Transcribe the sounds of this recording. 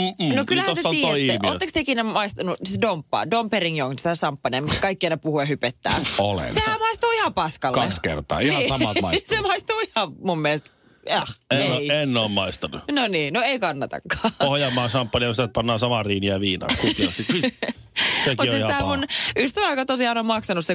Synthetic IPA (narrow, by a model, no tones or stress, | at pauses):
nokylæhæot̪et̪iːæiimiot̪ːɑkst̪ekinːemɑist̪ɑnusisdompːɑ̰ːdomperiŋjoŋknsit̪æsɑmpːɑniɑmiskɑikːiɑnepuhujɑhypet̪ːæ̰ːolḛnsehæmɑist̪uːihɑpɑskɑlːkɑḛkskḛrt̪ɑ̰ːiːsemɑist̪uːihɑmumːiest̪ | ɑheoienːoːmmɑist̪ɑnṵnoniːnoeikɑnːɑt̪ɑ̰kːɑ̥ːpohjɑmːˑɑːsɑmpːɑniɑsit̪æt̪̚pɑnːɑːsɑmɑriːniæʋiːnɑ̰ːkut̪io̰sit̪ | sekmuioiht̪æmunyst̪æʋæikɑt̪osiɑːnommɑksɑnusse